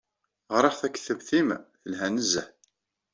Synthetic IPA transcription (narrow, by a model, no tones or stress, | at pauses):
ʁɾˤɑχθækːə̥θəvθimθəlɦænəzːəħ